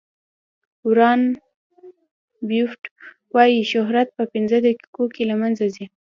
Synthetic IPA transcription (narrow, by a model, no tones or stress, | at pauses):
uwɾɑn | bjufʈ | wɑjiʃʊɦɾat̪̚pəpɪnzəd̪əki̥kokelamanzazi